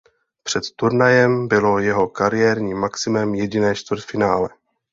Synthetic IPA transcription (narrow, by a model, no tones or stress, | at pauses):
pr̥ɛt̪t̪uɾnajɛmbɪlo̞jɛɦo̞kaɾɪjɛɾɲiːmːaksɪmɛmjɛɟɪnɛːʃt̪vərt̪fɪnaːlɛ